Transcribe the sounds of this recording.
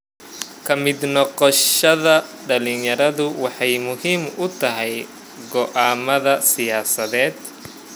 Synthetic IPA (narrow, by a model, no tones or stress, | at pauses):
kʰɐmɪd̪nɔqɔʃɐðɐɖɐlɪnjɐɾɐðʊwɑħɑjmʊhiːmʊt̪ʰɐɦɛj | ɡɔʔaːmɐðɐsɪjaːsɐðɛːd̪